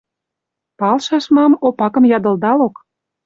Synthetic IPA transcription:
pɑlʃɑʃmɑmopɑkə̆mjɑd̪ə̆ld̪ɑlok

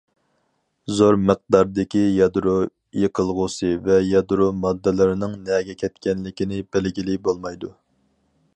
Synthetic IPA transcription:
zoɾməq̚d̪ɑɾd̪ɪkʲijɑd̪ɾu | jeqʰəlˠʁʊsɨvɛjɑd̪ɾumɑd̪ːɨlˠɨɾɨnɨŋnɛɡʲɛkʲʰɛt̪kʲɛnlɪkʲinɪbɪlɡʲilɪbolˠmɑjd̪u

